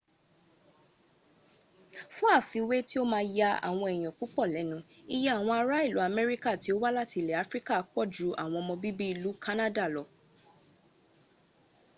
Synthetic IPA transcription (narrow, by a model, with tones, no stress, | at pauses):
fũ˦a˦˨fi˨˧we˦ti˦o˦mãː˧ja˧a̰˨w̃ɔ̃˧ɛ˨j̃ɔ̃˨ku˨˦k͡pɔ˦˨lɛ˨˦nũ˧˦i˦jɛ˦a˦˨w̃ɔ̃˧a˧ɾa˦i˦˨lu˨˦a˧mɛ˦ɾi˦ka˦˨ti˨˦o˦wa˦la˦ti˧˨lɛ˨a˨˦fɾi˦ka˦a˦k͡pɔ˦˨d͡ʒu˨˦ʔa˦˨w̃ɔ̃˧ɔ˧mɔ̃˧bi˦bi˦i˧lu˨˦ka˦na˦da˦˨lɔ˧˦